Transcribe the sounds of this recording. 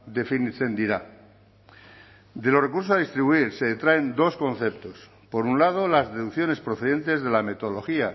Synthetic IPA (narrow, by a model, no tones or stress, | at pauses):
d̪e̞finθend̪iɾa | d̪e̞lo̞re̞kuɾsoað̞ist̪ɾiβuiɾseðet̪ɾae̞nd̪o̞sko̞nθe̞pt̪o̞s | po̞ɾunlað̞o̞lazðe̞ðukθjo̞ne̞spɾoθe̞ðe̞nt̪e̞zðe̞lame̞t̪olo̞xia